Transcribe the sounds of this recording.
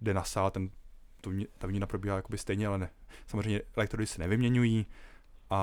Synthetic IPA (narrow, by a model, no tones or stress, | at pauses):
dɛnasaːlt̪ɛnt̪ovɲɪt̪avɲɪnapɾobiːɦaːjakobɪst̪ɛjɲɛalɛnɛsamozrɛjɲɛʔɛlɛkt̪ɾodɪsɛnɛvɪmɲɛɲujiːʔa